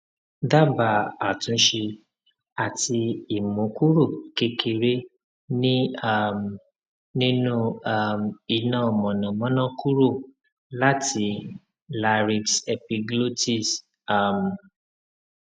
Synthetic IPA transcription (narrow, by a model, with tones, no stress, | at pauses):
da˦ba˨a˨tũ˨˦ʃe˧ | a˨ti˧i˨mõ˨˦ku˦ɾo˦˨ke˧ke˧ɾe˦ | nĩ˦a˦˨m | nĩ˦nũ˦a˦˨mi˧nã˦˨mɔ̃˨nã˨mɔ̃˨˦nã˦ku˦ɾo˦˨ | la˦tʰi˧ | la˧ɾi˧ksɛ˧pi˧ɡlo˦ti˦˨s | a˦˨m˨